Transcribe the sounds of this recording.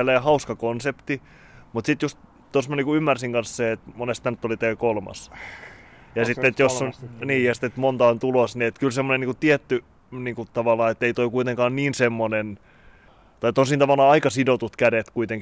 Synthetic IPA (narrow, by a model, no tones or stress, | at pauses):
leːhɑuskɑkonsept̪i | mut̪sit̪just̪ | t̪ːosmɑniːkuymːærsiŋkɑnsseet̪monest̪ænt̪ːolit̪ekolmɑ̰s | jɑsit̪ːet̪josːonniːjɑsi̥t̪ːet̪mont̪ɑont̪ulosniet̪kylsemːoneniːŋkut̪iɛt̪ːy | niːŋkut̪ɑʋɑlːˑɑːet̪ːeit̪oikuit̪eŋkɑːnniːnsemːonen | t̪ɑit̪onsint̪ɑʋɑlːˑɑːɑikɑsidot̪ut̪kædet̪kuit̪eŋk